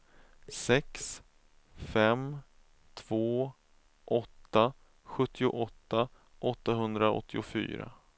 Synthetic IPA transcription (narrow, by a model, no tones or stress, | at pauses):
sɛks | fɛm | t̪ʰv̥oː | ʔɔt̪ːa | ɧɵt̪ːɪʊʔɔt̪ːa | ʔɔt̪ːaɦɵnd̪ɾaɔ̰t̪ʰːɪʊfy̰ːɾa̰